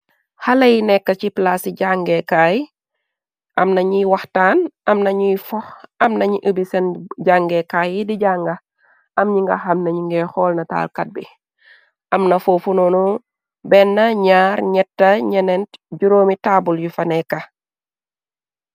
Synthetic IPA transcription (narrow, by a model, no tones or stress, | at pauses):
hɐlɐjinɛkːɐciplasiɟaŋɡɛkaj | ʔɐmnɐɲijwɐxtaːnɐmnɐɲijfɔxɐmnɐɲiʔəbisɐnɟaːŋɡɛkajidiɟaːŋɡɐ | ʔɐmɲiŋɡɐ̰xɐmnɐɲiŋɡɛxɔːlnɐta̰ːlkɐt̚bḭ | ʔɐmnɐfoːfunonu | bɛnːɐɲaːɾɲɛtːɐɲɛnɛntɟuɾoːmitaːbuljufɐnɛkːɐ